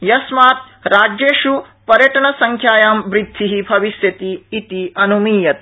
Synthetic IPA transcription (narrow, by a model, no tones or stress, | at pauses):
jɐsmaːt̪ | ɾaːd͡ʒeːʃu | pɐɾjɐʈɐɳɐsɐŋkʰjaːjaːmbɾid̪ʱːiɦibʱɐʋisjɐt̪iːt̪iɐnumiːjɐt̪̚